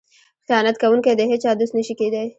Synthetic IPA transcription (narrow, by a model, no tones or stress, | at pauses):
xijɑnat̪kawuŋkajd̪əɦet͡ʃɑd̪ost̪nəʃiked̪aj